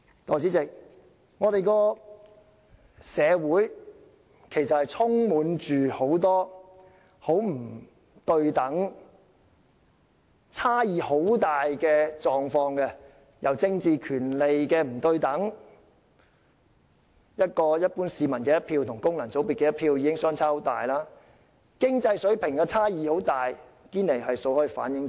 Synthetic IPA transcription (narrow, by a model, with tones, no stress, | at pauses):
t̪ɔː˨˧t͡siː˨˥t͡sɪ˨k̚ | ŋɔː˨˧t̪e˨jkɔː˧ | sɛː˨˧wuː˨˥j | kʰe˨˩jsɐ˨t̚hɐ˨jt͡sʰʊ˥ŋmuː˨˥nt͡ʃyː˨ho˨˥wt̪ɔː˥ | ho˨˥wm̩˨˩ | t̪ɵ˧ɥt̪ɐ˨˥ŋ | t͡sʰaː˥jiː˨˧ho˨˥wt̪aː˨jkɛː˧t͡ʃɔː˨ŋfɔː˧ŋkɛ˧ | jɐ˨wt͡sɪ˧ŋt͡siː˨˧kʰyː˨˩nle˨jkɛː˧m̩˨˩t̪ɵ˧ɥt̪ɐ˨˥ŋ | jɐ˥t̚kɔː˧jɐ˥t̚puː˥nsiː˨˧mɐ˨˩nkɛː˧jɐ˥t̚pʰiː˧wt̪ʰʊ˨˩ŋkʊ˥ŋlɐ˨˩nt͡so˨˥wpi˨kːɛː˧jɐ˥tpʰiː˧wjiː˨˧kɪ˥ŋsœː˥ŋt͡sʰaː˥˧˥t̪a̰ː˨jlaː˥ | kɪ˥ŋt͡sɐ˧jsɵ˨˥ɥpʰɪ˨˩ŋkaː˧t͡sʰaː˥jiː˨˧ho˨˥wt̪aː˨j | kiː˥nle˨˩jɦɐ˨jso˧whɔː˥ji˨˩fa̰ː˨˥njɪ˨˧ŋt͡s